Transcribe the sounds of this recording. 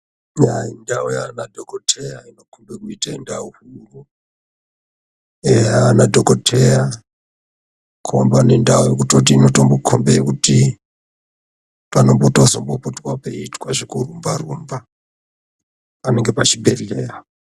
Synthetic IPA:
jaindaujanadʱokotʰejaino̞kʰundwekuitaindauhuru | eanadʱokotʰeja | kʰombane̞ndaujok̬utot̬iːno̞tombokʰombeekuti | pano̞mbotozo̞mbopotwapeitwaʐekurumbarumba | pane̞ŋɡe̞pat͡ʃibʱe̞ɮeːja

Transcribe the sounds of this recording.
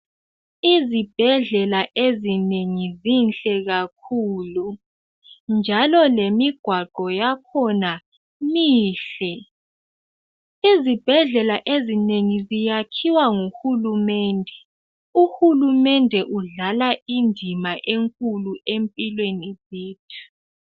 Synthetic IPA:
izib̥ʱɛɮɛlaʔezineŋizinɬʼɛɣakʰuːlu | nd͡ʒʱalɔlemiɡ̥ʱwaɡ͡ǃ̥ʱɔjakʰɔna | miːɬɛ | izib̥ʱɛɮɛlaʔezineŋizijakʰiwaŋuxulumɛːndʱɛ | uhulumɛndʱɛʔuɮalaindʱimaʔeŋkʼuluʔempʼilweniziːtʰu̥

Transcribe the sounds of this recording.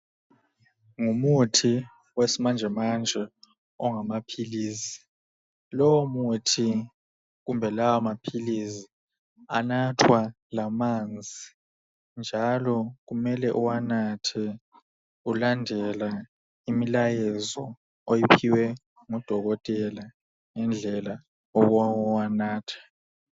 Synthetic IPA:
ŋumutʰi | wesimand͡ʒʱɛmand͡ʒʱɛ | ɔŋamapʰiliːsi̥ | lɔwomutʰi | ɣumbʱɛlawamapʰilizi | anatʰwa | lamand͡zʱi | nd͡ʒʱalɔɣumɛlɛʔuwanatʰɛ | ulandʱɛla | imilajɛzɔ | ojipʰiwɛ | ŋud̥ʱɔɣɔtʼɛla | ŋɛnd͡ɮʱɛla | ɔɣawanaːtʰɛ̥

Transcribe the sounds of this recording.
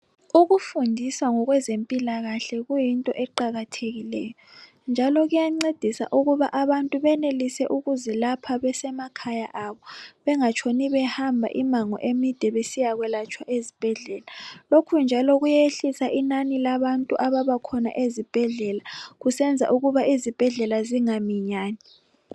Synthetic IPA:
uɣufundʱiswaŋɔɣwɛzempʼilaɣaɬɛɣujintʼɔʔɛǃaɣatʰeɣilɛːjɔ | nd͡ʒʱalɔɣujaŋ͡ǀed̥ʱisa̰ʔuɣuβaʔaβantʼuβɛnelisɛʔuɣuzɛlapʰaβɛsɛmakʰajaʔaβɔβɛŋat͡ʃʰʼoniβɛhambʱa̰ʔimaŋɔ̰ʔemid̥ʱɛβesijaɣwɛlat͡ʃʼʰwaʔezib̥ʱɛɮɛlalokʰund͡ʒʱalɔɣujeɬisaʔinanilaβantʼuʔaβaβakʰɔna̰ʔezib̥ʱɛɮɛlaɣusɛnd͡zʱa̰ʔuɣuβaizib̥ʱɛɮɛlaziŋamiɲaːni

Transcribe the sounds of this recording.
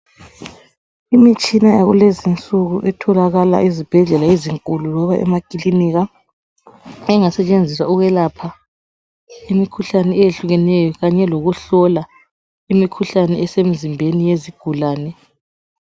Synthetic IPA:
imit͡ʃʼinajaɣulezint͡sʼuɣuʔɛtʰɔlaɣala̰ʔizib̥ʱɛɮɛlaeziŋkʼululɔβaʔɛ̰makʼiliniɣa | ɛŋasɛt͡ʃʼend͡zʱiswauɣɛlapʰa | imikʰuɬanɛɛjeɬuɣɛnɛjɔɣaɲɛloɣuɬɔla | imikʰuɬanɛɛsem̩zimbʱenijeziɡ̥ʱulaːnɛ

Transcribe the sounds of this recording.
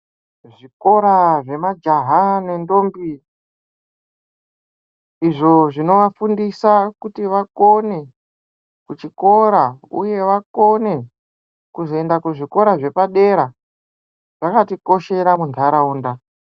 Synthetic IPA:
ʐiko̞ɾaʐe̞mad͡ʒaɦane̞ndo̞ːmbi | iʐo̞ʐino̞ʋafundisakutiʋako̞ne̞ | kut͡ʃiko̞ɾauje̞ʋako̞ne̞ | kuzoendakuʐiko̞ɾaʐe̞paɗe̞ɾa | ʐ̥akatiko̞ʃe̞ɾamuntʰaɾauːnda

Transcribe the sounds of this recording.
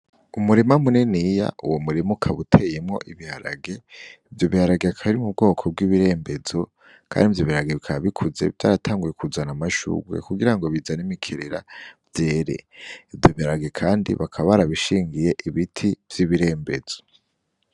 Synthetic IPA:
umuɾimamunenija̰uwomuɾimukʰaβutʰe̞jemŋo̞̰ʔiβihaɾa̰ɡe̞ivjo̞βihaɾaɡeakʰaβiɾimub̚ɡo̞ːkʰo̞b̚ɡiβiɾe̞ːmbe̞zo̞ | kʰa̰ːndivjoβihaaɡe̞βikʰaaβikʰuze̞̰vjaːɾatʰaːŋɡuje̞kuzanamaʃṵːɡwḛkuɡiɾaŋɡo̞βizanimikʰe̞ɾeɾa̰vje̞ːɾe̞̰ivjo̞βihaɾaɡe̞kʰaːndḭβakʰaβaɾaβiʃiːŋɡije̞ʔiβitʰivjiβiɾe̞ːmbe̞z̥o̞̥

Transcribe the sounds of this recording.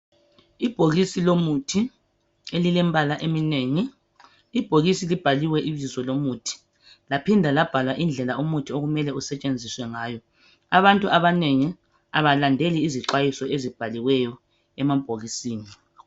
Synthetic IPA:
ib̥ʱoɣisilomutʰi | elilɛmbʱalaʔemineŋiː | b̥ʱoɣisilib̥ʱaliwɛʔiβizɔlomutʰi̥ | lapʰindʱalab̥ʱalwaʔind͡ɮʱɛlaomutʰioɣumɛlɛusɛt͡ʃʼend͡zʱiswɛŋaːjɔ | aβantʼuʔaβaneŋi | aβalandʱeliːziǁwajisɔezib̥ʱaliwɛjɔ | ɛmab̥ʱoɣisiːni

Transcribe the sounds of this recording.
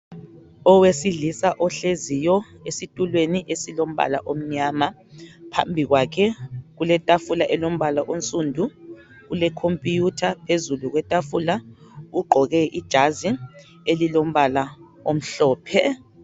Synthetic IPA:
ɔwesiɮisaʔɔɬezijɔ | esitʼulweniʔesilom̩βa̰la̰ʔom̩ɲaːma | pʰa̰mbʱiɣwakʰɛɣulɛtʼafulaʔɛlom̩βalaʔont͡sʼuːndʱu | ɣulɛkʰompʼijutʰapʰezuluɣwɛtʼafulauɡ͡ǃʱɔɣɛʔid̥ʒ̥ʱazi | elilom̩βala | om̩ɬɔːpʰɛ

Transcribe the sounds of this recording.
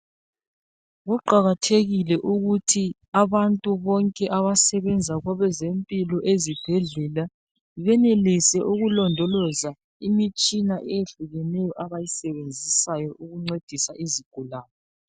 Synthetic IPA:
ɣuǃaɣatʰeɣilɛʔuɣutʰi | aβantʼuβɔŋkʼɛʔaβasɛβɛnd͡zʱaɣwaβɛzempʼilɔʔezib̥ʱɛɮɛla | iβɛnelisɛʔuɣulɔndʱɔlɔza | imit͡ʃʼinaʔɛjeɬuɣɛnɛjɔʔaβajisɛβend͡zʱisajɔʔuɣuŋ͡ǀed̥ʱisaʔiziɡ̥ʱulaːnɔ

